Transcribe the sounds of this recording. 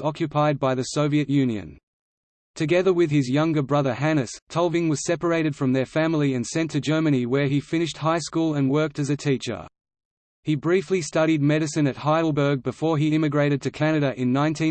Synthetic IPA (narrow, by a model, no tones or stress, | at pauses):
ɑkjɨpʰaɪd̚baɪðɨsoʊviɨʔjʉ̃njɨ̰̃n | tʰɨɡɛðə˞wɨð̥ɪzjʌ̃ŋɡə˞bɹʌðə˞ɦænɨstʰɔlˠvɪ̃ŋwʌz̥sɛpə˞eɪɾɨd̥fɹʌ̃mðə˞fæ̃ml̩ˠiɨ̃nsɛ̃ntʰɨd͡ʒɜ˞mɨniwə˞ifɪ̃ñɨʃt̚haɪskulˠə̃nwɜ˞k̚tɨzɨtʰit͡ʃə̰˞ | ibɹiflistʌɾid̚mɛɾɨsɨ̃nɨt̚haɪɾl̩ˠbə˞ɡ̚bɨfɔɹiɪ̃mɨɡɹeɪɾɨd̚tʰɨkʰænɨɾɨʔɪ̃nːãɪ̃ntʰĩ